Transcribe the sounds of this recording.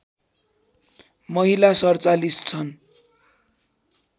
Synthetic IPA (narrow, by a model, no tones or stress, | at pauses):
mʌɦilasʌrt͡salist͡sʰʌn